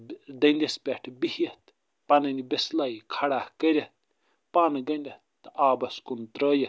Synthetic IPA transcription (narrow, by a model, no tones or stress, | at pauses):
d̪ɐnd̪ʲɐspʲeʈʰbihjɐt̪ | pɐnɐnibeslaːikʰɐɽaːhkəɾʲɐt̪̚ | panɡɐnʲdʲɐt̪ːaːbɐskunt̪ɾəːjɐt̪